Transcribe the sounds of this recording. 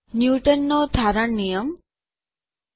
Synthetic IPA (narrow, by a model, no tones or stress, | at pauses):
njuʈənːod̪ʱaɾəɳːijəm